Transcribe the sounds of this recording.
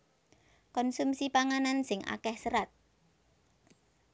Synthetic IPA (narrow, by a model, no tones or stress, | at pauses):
kɔnsumsipaŋanansɪŋa̰kɛhsəɾat̪̚